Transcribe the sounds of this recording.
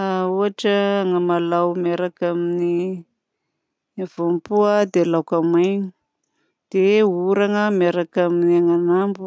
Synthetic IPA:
auaʈ͡ʂəːŋəmalawmeɾakamini | vompuad̪elawkamajɲi | d̪̥euɾaŋəmeɾakaminiaŋanambu

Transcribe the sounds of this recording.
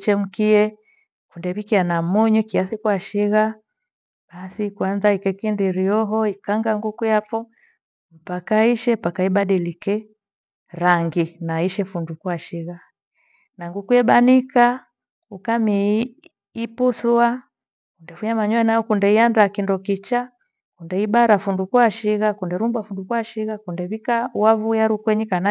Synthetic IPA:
t͡ʃɛm̩kiɛ | kundɛβikianamuɲukiasikuaʃiɣa | ɓ̥asikwanzaikɛkindiɾiɔɦɔikaŋɡaŋɡukujafɔ | m̩pakaiʃɛpakaiɓaɗilikɛ | ɾaŋɡinaiʃɛfundukuaʃiɣa | naŋɡukujɛbanika | ukamiː | pusua | kundɛfuɲamaɲɔɛnajɔkundɛiandakindɔkit͡ʃa | kundɛibaɾafundukuaʃiɣakundɛɾumbwafundukuaʃiɣakundɛβikawavujaɾukwɛɲikana

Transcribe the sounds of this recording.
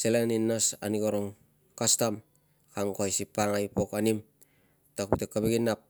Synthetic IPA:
selaninːasa̰nikoɾoŋ | kastam | kaŋkoajsipaŋajpokanim | takutekːabeɡinap̚

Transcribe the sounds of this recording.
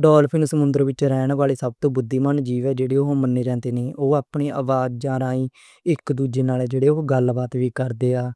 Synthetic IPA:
ɖɔːlpʰɪnsəmʊnd̪əɾʋɪt͡ʃɾɛːɳʋaːɭeːsəb̚t̪õːbʊd̪ːiːmənd͡ʒiːʋɛːd͡ʒeːɽeːoːmənːeːɾɛ̃ːnd̪eːneːʔoːaːpɳeːʔəːʋaːd͡ʒd͡ʒãːɾãːĩː | ɪkd̪uːd͡ʒeːnaːlɛːd͡ʒeːɽeːoːɡəlbaːt̪ʋiːkəɾd̪eːaː

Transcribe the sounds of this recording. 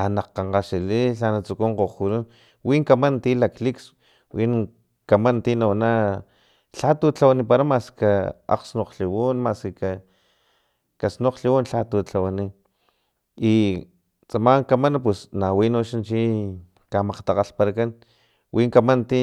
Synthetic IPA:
anaqaɴqaʃiliɬanat͡sukuɴqoχkuɾun | wiŋkamant̪ilakliks | win | kamant̪inawana | ɬat̪ut͡ɬawanipaɾamaskaa̰qsnoqɬiwunmaskika | kasnoqɬiwunɬat̪ut͡ɬawani | i | t͡samaŋkamanap̬wesnawinoʃant͡ʃi | kamaqt̪aqaɬpaɾakan | wʔiːŋkamant̪i

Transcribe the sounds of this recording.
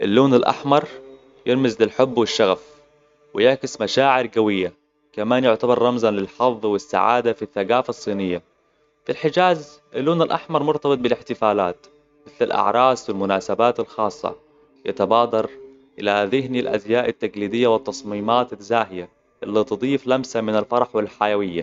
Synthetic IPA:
ʔɪlːuːnalʔa̰ħmɑɾˤ | jɪɾmɪzlɪlħʊbːwɪʃːaɣaf | wɪjɪʕkɪsmaʃaːʕɪɾɡawɪjːa | kamaːnjʊʕt̪abɑɾˤːɑmzalɪlħɑðˤwɪsːa̰ʕa̰ːd̪afiθːaɡaːfɑsˤːiːnɪjːa | filħɪd͡ʒaːz | ʔalːuːnalʔɑħmɑɾˤmʊɾt̪ɑbɨt̪̚ˤbɪlɪħt̪ɪfaːlaːt̪ | mɪθlalʔɑ̰ʕɾˤɑːswɪlmʊnaːsabaːt̪ɪlxɑːsˤːɑ̰ | ja̰t̪abɑːd̪ɑɾˤ | ʔɪlaðɪɦnilʔa̰d̪jaːʔat̪ːaɡliːd̪ɪjːawɪt̪ːɑsˤmiːmaːt̪azaːɦɪja | ʔɪlːit̪ɨd̪ˤiːflamsamɪnalfɑɾˤɑħwɪlħajawɪjːa

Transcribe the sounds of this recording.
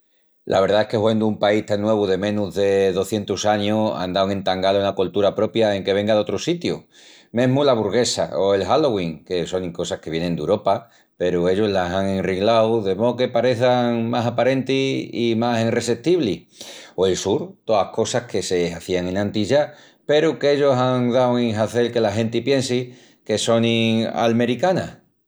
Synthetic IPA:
lʔa̰βe̞ɾðae̞hke̞hwend̪oumpaist̪aŋːwe̞β̞uðe̞mẽ̞nuɦðe̞ðo̞θje̞nt̪usaɲoa̰nd̪awŋe̞nt̪aŋɡaloenakolt̪uɾapɾo̞pjae̞ŋke̞βe̞ŋɡaðo̞t̪ɾosit̪ju | mẽɦmulaβuɾɣe̞sa̰oe̞lɦaloɣwiŋke̞so̞ŋiŋko̞sahke̞βje̞nend̪euɾo̞pa | pe̞ɾue̞ʎoɦlasaŋe̞nriŋlawðe̞mooke̞paɾe̞θaŋmasapaɾe̞nt̪iimasinre̞se̞t̪iβli | oe̞lsuɾt̪oahko̞sahke̞seaθiaŋẽ̞nãnt̪iʝa | pe̞ɾukeʎo̞saŋðawiŋɦaθe̞lke̞laɦe̞nt̪ipje̞nsi | ke̞so̞nia̰lme̞ɾikana̰

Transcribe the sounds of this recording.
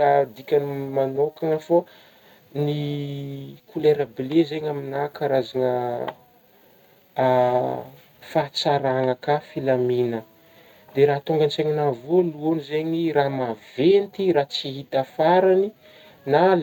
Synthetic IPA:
ad̪ikʲanmanokaŋəfo | ni | kuleɾəbilezeɲaminakaɾazaŋə | fat͡saɾaŋəkafilaminə | d̪eɾaɦt̪oŋɡant͡seɲinavoluonizeɲiramavent̪iɾat͡siɦit̪afaɾani | nal

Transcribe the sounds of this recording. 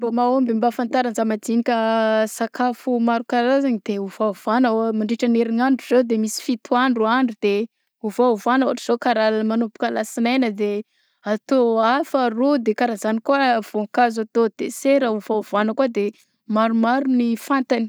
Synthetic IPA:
bomaombimbafant̪aɾanzamad̪inikʲəsakafumaɾukaɾaɾazaɲid̪̥euvav̥anəmaɳɖ͡ʐiʈ͡ʂəneɾinaɳɖ͡ʐuzewd̪emisi̥fit̪ʰuaɳɖ͡ʐuaɳɖ͡ʐud̪̥e | uvauvanuaʈ͡ʂiz̥okaɾalmanupu̥kəlasinajnəd̪e | at̪oafarod̪ekaɾazanikuəv̥oŋkazat̪ot̪eseɾəuvauvanəkuad̪e | maɾumaɾunifant̪ani̥

